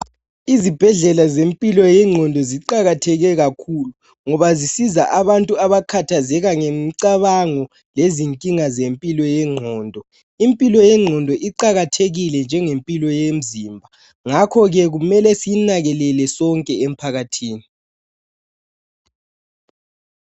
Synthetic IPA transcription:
izib̥ʱɛɮɛlazempʼilɔjɛŋ͡ǀʱɔndʱɔziǃaɣatʰɛɣɛɣakʰulu | ŋɔβazisizaʔaβantʼuaβakʰatʰazɛɣaŋemǀaβaŋɔ | leziŋkʼiŋazempʼilɔjɛŋ͡ǃʱɔːndʱɔ | impʼilɔjɛŋ͡ǃʱɔndʱɔʔiǃaɣatʰeɣilɛnd͡ʒʱɛŋempʼilɔjem̩zimbʱa | ŋakʰɔɣɛɣumɛlɛsinaɣɛlɛlɛsɔŋkʼɛem̩pʰaɣatʰiːni

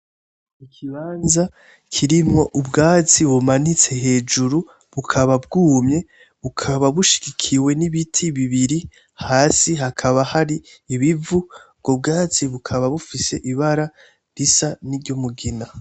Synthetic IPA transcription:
ikʰiβaːnza | kʰiɾimo̞ʔubɡaːt͡siβumanit͡se̞ɦe̞ːd͡ʒuɾu | βukʰaβab̚ɡuːmɲe̞ | βukʰaβaβuʃi̥ɡ̥ikʰiwe̞niβitʰiβiβiɾi | haːsiɦakʰaβahaɾiː | βivu | ɡ̥ob̚ɡaːt͡siβukʰaβaβufise̞ʔiβaɾa | ɾisaniɾɟomuɡina

